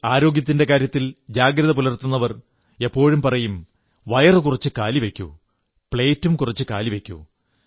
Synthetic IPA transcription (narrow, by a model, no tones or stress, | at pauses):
aːɾo̞ːɡjɐt̪ːinde̞kaːɾjɐt̪ːild͡ʑaːɡɾɐðɐp̬ulɐrt̪unːɐʋɐr | e̞pːo̞ːɻumpɐrɐjum | ʋɐjɐrɨkurɐt͡ɕːɨkaːliʋe̞kʲːṵ | pɭe̞ːtːumkurit͡ɕːɨka̰ːliʋe̞kʲːṵ